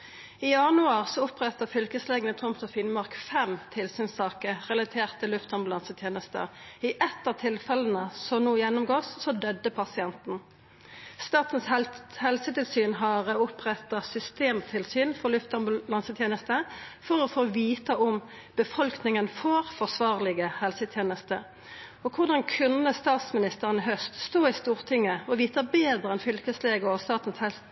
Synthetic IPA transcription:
iɑnʉɑːʁsɔʊpʁɛt̪əfʏlkəsleːɡənət̪ʰʁʊmt̪ɔfiːnmɑʁkfɛmt̪ʰɪlsyːnsɑːkəʁɛlɑt̪ʰeːʁt̪ʰɪlːʉft̪hɑnmbʉlɑnsət̪ʰjeːnəst̪ə̰ɪʔɛt̪ːət̪ʰɪlfɛlən̩əsɔmnuːjɛnːʊmɡoːsːɔd̪œd̪ːəpʰɑsɪɛnt̪n̩ | st̪ɑːt̪ən̩shɛlsət̪ɪlsyːnɦɑʁəʊpʁɛt̪ːɑsʏst̪eːmt̪ʰɪlsyːnfɔʁlʉft̪ɑmbʉlɑnsət̪ʰjeːnəst̪əfɔɾɔfoːʋiːt̪ɑʔʊm | b̥əfɔlknɪŋənfɔʁfɔʁsʋɑːʁlɪɡəhɛlsət̪ʰjeːnəst̪ə̰ | ɔkʰʊʁd̪ɑnkʰʉnːəst̪ɑːt̪smɪnɪst̪əʁənəɦœst̪st̪oːɪst̪uːʁt̪ʰɪŋːəɔʋiːt̪ɑbeːd̪ʁəɛnfʏlkəsleːɡəɔst̪ɑːt̪n̩shɛls

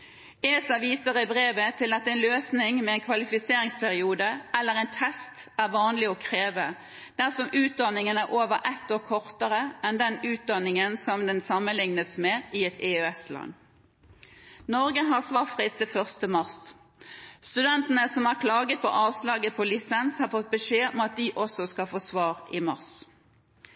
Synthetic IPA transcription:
eːsɑʋiːsəʁɪbʁeːʋət̪ʰɪlɑt̪ɛɪnløːsnɪŋmɛɛnkʰʋɑlɪfɪseːʁɪŋspʰæʁɪuːd̪əɛlːəʁɛɪnt̪ʰɛst̪æʁʋɑːnlɪɔkʰʁeːʋə | d̪̥æʁsɔmʉːt̪̚d̪ɑnɪŋənæɾʔoːʋəɾʔɛt̪ːoːkʰɔʁt̪əʁəʔɛnd̪ɛnʉːt̪̚d̪ɑnːɪŋənsɔmd̪ɛnsɑmːənlɪŋnəsmeːʔɪɛt̪ʰɛøɛslɑ̰nː | nɔʁɡəɦɑʁsʋɑːʁfʁɪːst̪əfœʁst̪əmɑʁs | st̪ʉd̪ɛnt̪ənəsɔmæʁkʰlɑːɡət̪̚pʰɔ̰ʔɑːʋslɑːɡəpʰɔlɪsɛnshɑʁfɔt̪̚bəʂeːɔɑt̪̚d̪ɪʔɔsɔskɑlfoːsʋɑːʁɪmɑʁs

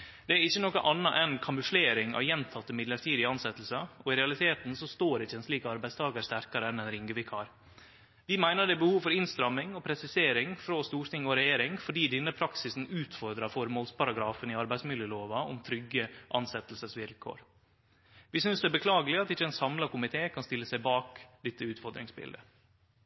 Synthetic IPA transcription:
d̪̥ɛæɾɪçːənɔkəʔɑnːɑʔɛnkʰɑmʉfleːɾɪŋɑ̰ʋjɛnt̪ʰɑt̪ːəmɪd̪ləʈ̪ʰiːd̪ɪəɑnsɛt̪ːlsəɔɪɾɛɑlɪt̪ʰeːt̪n̩sɔst̪oːɾɪçːəɛnsliːkəɑɾbæɪst̪ʰɑːɡəɾst̪æɾkɑɾəɛnɛnɾɪŋɡəʋɪkʰhɑ̰ːɾ | ʋɪmæɪnəɖɛbəhuːʋfɔɾɪnst̪ɾɑmːɪŋɔpʰɾɛsɪseːɾɪŋfɾost̪uːɾt̪ʰɪŋɔɾɛjeːɾɪŋfɔɖiːd̪ɪnːəpʰɾɑksɪsn̩ʉːt̪fɔɾd̪ɾɑfɔɾmoːlspɑɾɑɡɾɑːfənɪɑɾbæɪsmɪljəloːʋɑɔ̰mt̪ʰɾʏɡːəʔɑnsɛt̪lsəsʋɪlkʰo̰ːɾ | ʋɪsʏnsd̪ɛæbəkʰlɑːɡəlɪɑt̪ɪçːəɛnsɑmlɑkʊmɪt̪ʰeːkʰɑnst̪ɪlːəsæɪbɑːkd̪ɛt̪ːəʉːt̪fɔɾd̪ɾɪ̰ŋsbɪ̰ld̪ə

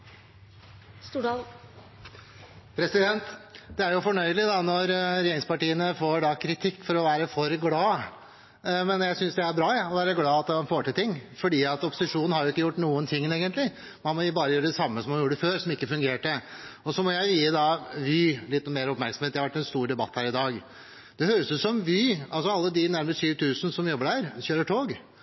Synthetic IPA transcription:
st̪u | pʰɾɛsɪd̪ɛnt̪d̪̥ɛæɾjʊfɔɳœʏəlɪd̪ɑnɔɾɾeːɾɪŋspɑʈiːənəfoːɖɑkʰɾɪt̪ʰɪkːfɔɾɔʋæːɾəfɔɾɡlɑː | mɛnjæɪsʏnsd̪ɛæɾbɾɑːɑɔʋæːɾəɡlɑːɑt̪ɑnfoːʈɪlt̪ʰɪŋːfɔɖiːɑt̪ɔpːɔsɪʂuːnn̩hɑɾjʊɪkːəjʊʈːnuːənt̪ʰɪŋːneːɡənt̪lɪ | mɑnmɔbɑːɾəjøːɾəd̪ɛsɑmːəsɔmhɑnjuːɾəføːɾsɔmɪkːəfʉŋɡeːʈəɔsɔmɔjæɪʋiːəd̪ɑʋɪlɪt̪ːnmeːɾɔpmæɾksɔm̩eːt̪ːɛhɑʋæʈːɛnst̪uːɾɖ̪ɛbɑt̪ːhæːɾɪd̪ɑːɡ | d̪̥ɛhøːɾəsʉsɔmʋɪɑlsɔɑlːəd̪ɪnæɾməst̪ʃyːʋt̪ʰʉːsn̩sɔmjɔbːəɖhæːɾçøːɾəʈʰoːɡ

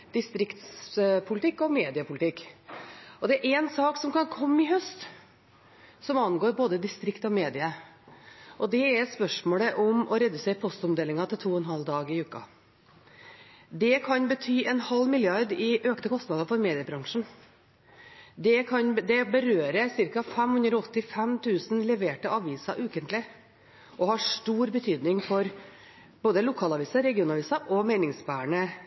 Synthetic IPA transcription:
d̪̥ɪst̪ɾɪkt̪spʰʊlɪt̪ʰɪkːɔmeːd̪ɪəpʰʊlɪt̪ɪkː | ɔd̪ɛæɾʔɛnsɑːksɔmkɑnkʰɔmːɪɦœst̪ | sɔmɑnːɡoːɾboːd̪əd̪ɪst̪ɾɪkt̪ɔmeːd̪ɪə | ʔɔd̪ɛːɾspœʂmoːɽəʔɔmɔɾɛd̪ʉseːɾəpʰɔst̪ɔmd̪eːlɪŋɑt̪ʰɪlt̪ʰuːɔɛnɦɑld̪ɑːɡɪʉːkɑ̰ | d̪ɛkʰɑnbət̪ʰyːʔɛnhɑlːmɪlɪɑɾd̪ɪʔøːkt̪əkʰɔst̪nɑd̪ɑfɔɾmeːd̪ɪəbɾɑŋʂɳ̩ | d̪ɛkʰɑnd̪ɛbəɾøːɾəsɪɾkɑfæmhʉnd̪ɾɔɔt̪ːɪfɛmt̪ʰʉːsnlɛʋeːʈəʔɑʋiːsɑʔʉːkənt̪lɪ | ʔɔhɑʂʈuːɾbət̪ʰyːd̪nɪŋfɔɾ | b̥oːd̪əlʊkʰɑːlɑʋiːsɑɾɛɡɪuːnɑʋiːsɑʔɔmæɪnɪŋsbæːɳə

